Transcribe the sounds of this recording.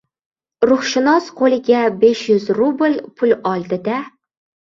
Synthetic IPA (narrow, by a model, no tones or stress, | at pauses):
ɾʊχʃɪnɒsqʰolɪɡʲabeʃjʊzɾubɨlpʰʊlɒlˠd̪ɪd̪a